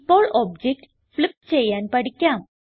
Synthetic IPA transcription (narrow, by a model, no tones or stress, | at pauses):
pɔɭɔbd͡ʑek̚ʈ | flip̚t͡ɕejãnpəɽkjãm